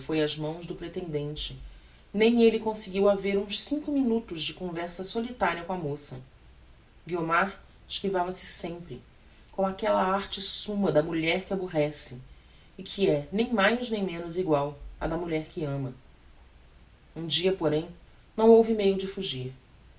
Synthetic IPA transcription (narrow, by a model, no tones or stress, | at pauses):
fojɐzmɐ̃w̃zd̪ʊpɾet̪ẽnd̪ẽnt͡ʃɪ | nẽj̃elɪkõsɪɡiwaveɾũʃsĩŋkʊminut̪ʊʒd͡ʒɪkõvɛɾsɐsolit̪aɾiɐkõɐmosɐ | ɡiomaɾ | ɪʃkivavɐsɪ̥sẽmpɾɪ | kõw̃akɛlɐaɾt͡ʃɪsũmɐd̪ɐmuʎɛɾkɪabuɦɛsɪː | kʰɪɛnẽj̃majznẽj̃mẽnʊziɡwawɐ̰d̪ɐmuʎɛɾkɪɐ̃mɐ | ũd͡ʒiɐpoɾẽj̃ | nɐ̃w̃owvɪmejʊd͡ʒɪfuʒiɾ